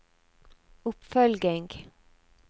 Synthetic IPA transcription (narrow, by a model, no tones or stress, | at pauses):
ɵpːfœlɡɪŋɡ